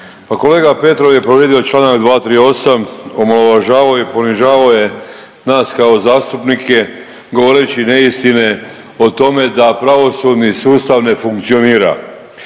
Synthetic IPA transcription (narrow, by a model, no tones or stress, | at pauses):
pako̞le̞ːɡape̞t̪ɾo̞ʋje̞pɾoʋe̞d̪io̞t͡ʃlˠaːnakd̪ʋaːt̪ɾiːo̞samomoloʋaʒaːʋaoipo̞niʒaːʋaoje̞ | naːskao̞zaːst̪upnike̞ | ɡo̞ʋo̞ɾet͡ɕine̞ist̪ine̞ | ot̪o̞me̞d̪apɾaʋo̞sud̪nisuːst̪aʋne̞fuŋkt̪sio̞niːɾa̰